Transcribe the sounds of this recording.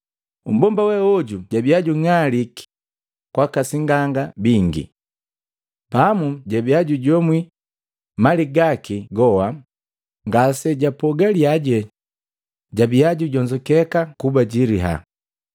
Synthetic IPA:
um̩bɔmbawɛɔɟuɟabiaɟuŋaliki̥ | kwakasiŋɡaŋɡabiŋɡḭ | pamuɟabiaɟuɟɔmwi | maliɡakiɡɔwa | ŋɡasɛɟapɔɡaliaɟɛ | ɟabiaɟuɟɔɲd͡ʒɔkɛkakubaɟiɾiɦa̰

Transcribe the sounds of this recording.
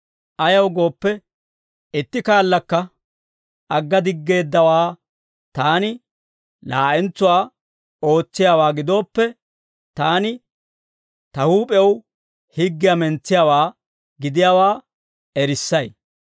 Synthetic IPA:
ʔɐjɐwɡo̞ːpːɛ | ɪt̪ːɪkaːlːɐkːɐ | ɐɡːɐd̪ɪɡːe̞ːd̪ːɐwaː | t̪aːnɪ | laːʔɛnt͡sːʊwaː | o̞ːt͡sːɪjaːwaːɡɪd̪o̞ːpːɛ | t̪aːnɪ | t̪ɐhuːpʼɛw | hɪɡːɪjɐmɛnt͡sːɪjawaː | ɡɪd̪ɪjaːwaː | ɛɾɪsːɐj

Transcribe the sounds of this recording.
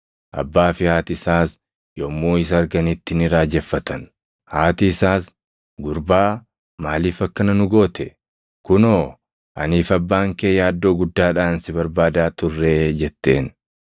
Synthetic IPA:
ʔɐ̰bːaːfɪhaːt̪ɪsaːs | jomːoːɪs̬ɐːɾɡɐnɪt̪ːɪnɪɾaːd͡ʒɛfːɐt̪ɐn | haːt̪ɪɪsaːs | ɡʊɾbaː | maːliːfɐkːɐnɐnʊɡo̞ːt̪ɛ | kʊnoː | ʔɐ̰niːfɐbːaːŋkeːjaːd̪ːo̞ːɡʊd̪ːaːᶑaːnsɪbɐɾbaːd̪aːt̪ʊrːe̞ːd͡ʒɛt̪ːe̞ːn

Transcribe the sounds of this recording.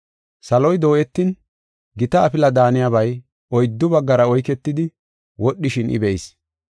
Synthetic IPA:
sɐlɔjd̪o̞ːʔɛt̪ːɪn | ɡɪt̪ɐːpɪlɐd̪aːnɪjɐbɐj | ɔjd̪ːʊbɐɡːɐɾɐɔjkɛt̪ːɪd̪ɪ | wɔɗːɪʃɪnʔɪ̰bɛjs

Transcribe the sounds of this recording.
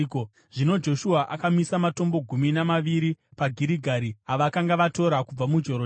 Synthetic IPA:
o | ʐ̥ino̞d͡ʒo̞ʃuaʔakamisamato̞mbo̞ɡʱuminamaʋiɾipaɡʱiɾiɡʱaɾiaʋakaŋɡaʋato̞ɾakub͡vamud͡ʒo̞ɾo

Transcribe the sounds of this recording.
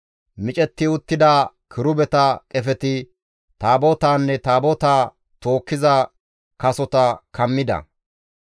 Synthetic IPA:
mɪt͡ʃʼɛt̪ːɪʊt̪ːɪd̪aːkʰɪɾʊbɛt̪ɐkʼɛfɛt̪ɪ | t̪aːboːt̪aːnːɛt̪aːboːt̪aː | t̪o̞ːkːɪzɐ | kɐsɔt̪ɐkʰɐmːɪd̪ɐ̰

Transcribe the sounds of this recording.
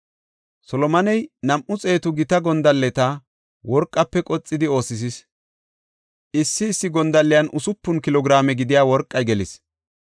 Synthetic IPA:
sɔlɔmɐnɛjnɐmʔʊt͡sʼe̞ːt̪ʊɡɪt̪ɐɡɔnd̪ɐlːɛt̪ɐ | wɔɾkʼːɐpːɛkʼɔt͡sʼːɪd̪ɪo̞ːsɪs̬ɪs | ɪsːɪːsːɪɡɔnd̪ɐlːɪjɐnʔʊsʊpːʊnkɪlɔɡɪɾaːmɛɡɪd̪ɪjaːwɔɾkʼːɐjɡɛlɪs

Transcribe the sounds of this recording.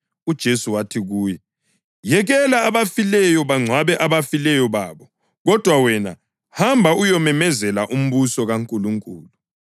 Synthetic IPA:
ud̥ʒ̥ʱesuwatʰiɣuːjɛ | jɛɣɛlaːβafilɛjɔβaŋ͡ǀʱwaβɛʔaβafilɛjɔβaːβɔ | ɣɔd̥ʱwawɛna̰ | hambʱaujɔmɛmɛzɛlaʔum̩βusɔɣaŋkʼuluŋkʼuːlu

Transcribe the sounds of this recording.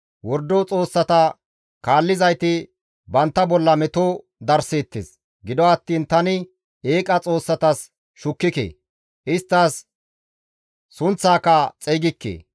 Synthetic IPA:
wɔɾd̪ɔt͡sʼo̞ːsːɐt̪ɐ | kaːlːɪzɐjt̪ɪ | bɐnt̪ːɐbɔlːɐmɛt̪o | d̪ɐɾseːt̪ːes | ɡɪd̪ɔɐt̪ːiːnt̪ɐnɪ | eːkʼɐt͡sʼo̞ːsːɐt̪ɐs | ʃʊkːɪkḛː | ʔɪst̪ːɐs | ʊnt͡sːaːkɐt͡sʼeɡɪkːḛː

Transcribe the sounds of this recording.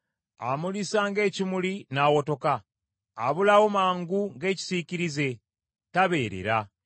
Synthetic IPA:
a̰mulisaŋɡe̞ːcimulinawo̞to̞kaː | βulawo̞maːŋɡuŋɡe̞ːci̥siciɾize̞ | taβe̞ːɾe̞̰ɾa

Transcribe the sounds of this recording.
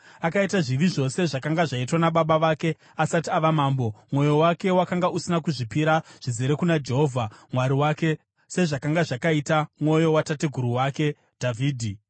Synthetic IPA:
akaitaʐiʋiʐo̞se̞ʐakaŋɡaʐaitwanaɓaɓaʋake̞ | asatiaʋamaːmbo̞mwo̞jo̞wake̞wakaŋɡaʔusinakuʐipiɾaʐ̥izeɾekunad͡ʒe̞ɦo̞vʱamwaɾiwaːke̞ | se̞ʐakaŋɡaʐakaitamwo̞jo̞watateɡʱuɾuwake̞ | d̥ʱavʱiːdʱi

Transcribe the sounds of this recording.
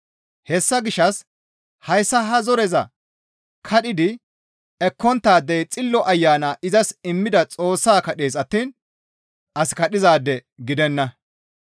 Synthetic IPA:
hɛsːɐɡɪʃːɐs | hɐjsːɐɦɐzɔɾɛzɐ̰ | kʰɐɗɪd̪ɪ | ɛkːɔnt̪ːaːd̪ːɛjt͡sʼɪlːɔʔɐjːaːnaːʔɪzɐsɪmːɪd̪ɐt͡sʼo̞ːsːaːkɐɗeːsɐt̪ːiːn | ʔɐskɐɗɪzaːd̪ːɛ | ɡɪd̪ɛnːɐ

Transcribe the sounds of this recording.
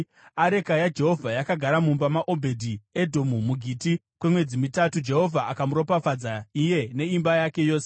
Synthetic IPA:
aɾe̞kajad͡ʒe̞ɦo̞vʱajakaɡʱaɾamumbamaʔo̞bʱe̞dʱiedʱo̞mumuɡʱiːti | kwemwe̞d͡zimitatud͡ʒe̞ɦo̞vʱaakamuɾo̞pafad͡zaije̞ne̞imbajake̞jo̞ːse

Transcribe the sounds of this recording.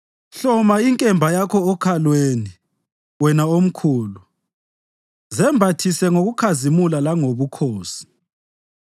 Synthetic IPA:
ɬɔmaiŋkʼɛmbʱajakʰɔːkʰalweni | wɛnaom̩kʰuːlu | zɛmbʱatʰisɛŋoɣukʰazimulalaŋoβukʰoːsi̥

